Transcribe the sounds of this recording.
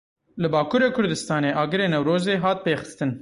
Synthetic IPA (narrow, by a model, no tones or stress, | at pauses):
lɨbɑːkuɾekʰʊɾd̪ɨst̪ɑːneʔɑːɡɨɾeːnɐwɾoːzeɦɑːt̪̚peːxə̥st̪ɨn